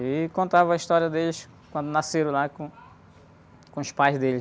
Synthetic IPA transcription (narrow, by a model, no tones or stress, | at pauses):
ɪkõt̪avɐɐiʃt̪ɔɾiɐd̪elɪs | kwɐ̃nd̪ʊnaseɾɐ̃lakõ | kõʊʃpajzd̪elɪ